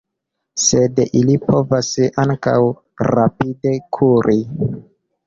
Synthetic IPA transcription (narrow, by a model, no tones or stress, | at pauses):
se̞dilipʰo̞vasaŋka̰w | ɾapide̞kʰuɾʔi